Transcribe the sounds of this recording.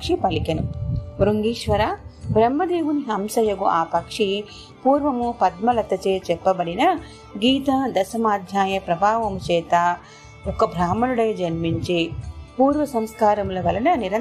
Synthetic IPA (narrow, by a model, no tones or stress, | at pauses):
kʂipɐlikɐnuɾuŋɡiːʃʋɐɾaːbɾɐmːɐd̪eːʋuniɦɐmsɐjɐɡuʔaːpɐkʂi | puːɾʋɐmupɐd̪mɐlɐt̪ːɐt͡ʃeːt͡ʃɛpːɐbɐɽinɐ | ɡiːt̪ɐd̪ɐsɐmaːd̪ʱjaːjɐpɾɐbʱaːʋɐmut͡ʃɛːt̪a | ɔkːɐbʱɾaːmɐnuɽɐjɐd͡ʒɐnmiɲt͡ʃipuːɾʋɐsɐmskaːɾɐmulɐʋɐlɐnɐniɾɐ